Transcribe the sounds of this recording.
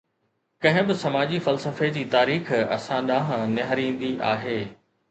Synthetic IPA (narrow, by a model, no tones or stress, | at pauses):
kɐ̃ɦɪ̃bɪsɐmaːd͡ʑifɐlsəfed͡ʑiːt̪aːɾiːxɐ̰sãɗãːɦnɐɦəɾĩːn̆d̪iʔa̰ːɦeː